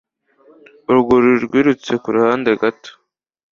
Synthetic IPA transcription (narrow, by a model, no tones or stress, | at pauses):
uɾɡuɾiɾɡʷiɾut͡sekuɾhand̪eɡat̪